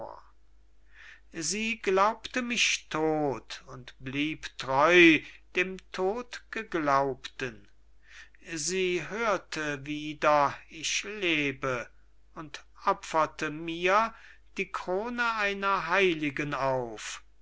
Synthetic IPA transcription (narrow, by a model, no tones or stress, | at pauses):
ziːɡlaʊptəmɪʃtʰoːtʊntb̥liːptʁɔʏd̥eːmtʰoːtɡ̥əɡlaʊptən | ziːɦøːɐtʰəviːdɐɪʃleːbə | ʊntʔɔpfɐtəmiːɐ | d̥iːkʁ̥oːnəʔaɪnɐɦaɪlɪɡənaʊf